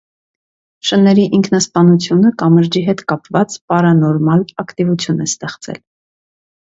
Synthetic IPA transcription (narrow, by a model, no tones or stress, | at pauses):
ʃənːɛɾiʔiŋkʰnɑspɑnut͡sʰjunəkɑməɾd͡ʒiɦɛt̪kɑpvɑt͡spɑɾɑnɔɾmɑlɑkt̪ivut͡sʰjunɛst̪ɛχt͡sɛ̰l